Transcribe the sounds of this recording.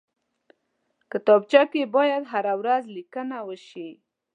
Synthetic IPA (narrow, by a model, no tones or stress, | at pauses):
kət̪ɑb̚t͡ʃakebɑjad̪ɦaɾawɾazlikənawəʃi